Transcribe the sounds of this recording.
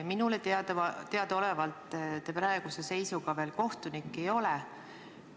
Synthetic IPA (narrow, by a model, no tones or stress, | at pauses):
minulet̪eɑd̪t̪e̞ɑd̪̥o̞levɑlt̪ˑːt̪ːepɾæeɡ̥use̞se̞jsuɡ̥ɑve̞ːlko̞ht̪unikːˑe̞jo̞lɛ